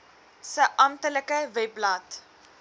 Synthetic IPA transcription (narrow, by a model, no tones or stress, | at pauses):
səʔɐmtələkəvɛplɐt